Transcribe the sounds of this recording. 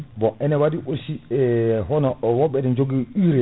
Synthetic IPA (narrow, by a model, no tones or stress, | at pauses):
bɔʔɛnɛwadiʔosiɛɦɔnɔwɔɓɛdɛnd͡ʒoɡiiɾɛ